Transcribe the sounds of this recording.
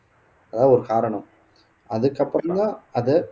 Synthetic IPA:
ɐðãːɔɾɯkaːɾɐɳɐ̃m | ɐðɯkːɐpːɯɾɐnd̪ãːɐðɛ

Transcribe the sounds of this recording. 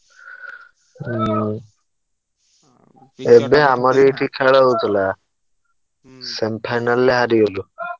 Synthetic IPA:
ebeamɔɾeeʈʰikʰɛɭautla | sempʰajnalːeɦaɾiolu

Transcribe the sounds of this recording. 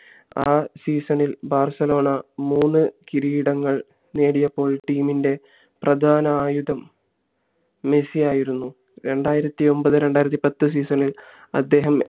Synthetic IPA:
aːsiːsɐnilbʱaːrsɐlo̞ːɳɐmuːnːɨkiɾiːɽɐŋːɐɭ | ne̞ːɽijɐpːo̞ːɭʈiːminde̞ | prɐd̪ʱaːnɐaːjud̪ɐm | e̞sijaːjiɾunːu | ɾe̞ɳɖaːjiɾɐt̪ːio̞mbɐðɨɾe̞ɳɖaːjiɾɐt̪ːipɐt̪ːɨs̬iːsɐnil | ɐ̰d̪ːe̞ːɦɐm

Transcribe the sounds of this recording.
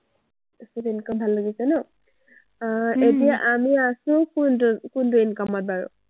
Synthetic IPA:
sutenikɔbʱalːaɡisɛnɔ | etijaʔamiasʊ̃kunkʊntuɛnikɔmɔt̚baɹʊ̰

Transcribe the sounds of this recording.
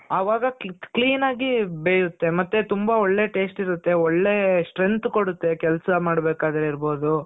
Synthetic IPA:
ɐʋaːɡɐkkliːnaːɡibeːjut̪ːe̞mɐt̪ːet̪umbɐoɭːe̞ʈe̞ːsʈiɾut̪ːe̞ɔɭːe̞sʈɾent̪koɽut̪ːe̞kɛlɐsɐmaːɽbeːkaːd̪ɾeiɾbo̞ːd̪u

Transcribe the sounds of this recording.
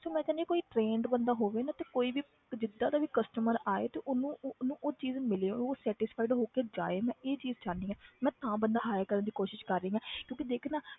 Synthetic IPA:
soːmɛ̃ːd͡ʒəːneːkoːiːʈɾeːɳɖbənd̪aːɦoːʋeːnaːt̪eːkoːiːʋiː | d͡ʒɪd̪ːãːd̪aːʋiːkəsʈəməɾaːḛːt̪eːʔonũːnũːʔoːt͡ʃiːzmɪleõoːsɛːʈɪspʰaːɪɖɦoːkeːd͡ʒaːeːmɛ̃ːeːt͡ʃiːzt͡ʃaːniːãːmɛ̃ːt̪ãːbənd̪aːɦaːjkəɾənd̪iːkoːʃɪʃkəɾːeiːãːkjõːkid̪eːkʰnaː

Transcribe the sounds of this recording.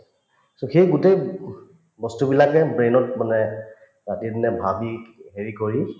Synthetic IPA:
soxejɡutej | bɔstubilakɛbɹenɔtmanɛ | ɹatidinɛbʱabiɦeɹikoɹi

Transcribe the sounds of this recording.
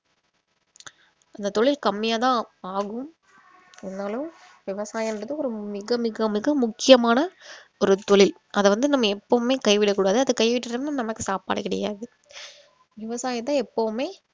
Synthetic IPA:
ʔɐnd̪ɐt̪ɔɭɪlkɐmːɪjaːt̪ãːaːɣɯm | ɛnːaːlo | ʋɪʋɐsaːjɛndrɐðɯɔɾɯmɪɣɐmɪɣɐmɪɣɐmʊkːɪjɐmaːnɐɔɾɯt̪ɔɭɪl | ʔɐðɯʋɐnd̪ɯnɐmːɐɛpːɐʋɯmeːkɐɪʋɪɽɐkːuːɽaːðɯɐðɯkɐɪʋɪʈːɯɾɐmnɐmːnɐmɐkːɯsaːpa̰ːɽɐkɪɽɐ̰ja̰ːðɯ | ʋɪʋɐsaːjɐt̪̬ːãːɛpːɐʋɯmeː

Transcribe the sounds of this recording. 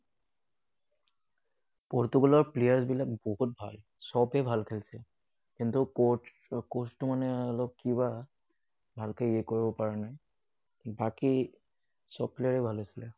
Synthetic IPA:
pɔɹtuɡɔlɔɹplejaɹsbilak̚boɦut̚bʱa̰l | sɔbɛbʱalkʰelsɛ | kintʊ | kostʊmanɛɔlɔb̚kiβa | bʱalkeiɛkoɹibɔpaɹɛnaj | baki | sɔbplejaɹɛbʱalɦasilɛ

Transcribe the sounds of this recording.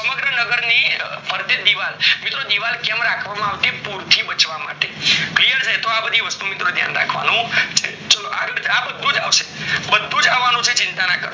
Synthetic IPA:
səməɡɾənəɡəɾnipəɾt̪əd̪iʋalmit̪ɾod̪iʋalkɛmɾakʰʋamãaʋt̪epuɾt̪ʰibət͡ʃʋama̰ʈeklijəɾd͡ʒajt̪oabəd̪ʱiʋəst̪umit̪ɾod̪ʱja̰nɾa̰kʰʋa̰nũt͡ʃʰe | t͡ʃəloa̰ɡəd͡ʒabəd̪ʱːũd͡ʒa̰ʋʃe̥bəd̪ʱːũd͡ʒaʋːanũt͡ʃʰet͡ʃɪnt̪anakə̰ɾ

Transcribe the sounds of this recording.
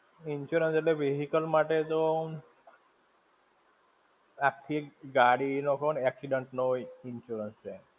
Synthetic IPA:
inʃuɾənseʈleʋeɦikəlmaʈet̪o | akʰːiɡaɽinokʰonɛksiɖəɳʈnoinʃuɾənst͡ʃʰe

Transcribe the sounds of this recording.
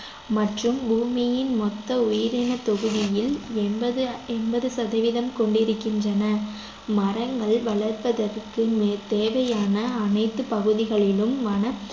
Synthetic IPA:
mɐʈrɯmbuːmɪjɪnmɔt̪ːɐʊjɪɾɪnɐt̪ɔɣɯðɪjɪlɛnbɐðɯɛnbɐðɯsɐðɐʋɪðɐmkɔɳɖɪɾɯkːɪndrɐnɐ | mɐrɐŋɡɐɭʋɐɭɐɾpɐðɐrkɯmt̪eːʋɐjaːnɐːnɐɪt̪ːɯpɐɣɯðɪɣɐɭɪlɯmʋɐnɐ

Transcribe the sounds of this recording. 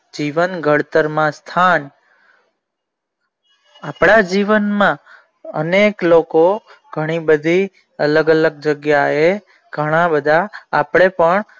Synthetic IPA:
d͡ʒiʋənɡʱəɽt̪əɾmãst̪ʰan | apɽ̃ad͡ʒiʋənmã | ə̰neklokoɡʱəɽ̃ibəd̪ʱi | ələɡələɡ̚d͡ʒəɡjae | ɡ̥ʱəɽ̃ãbəd̪ʱaːpɽ̃epəɳ

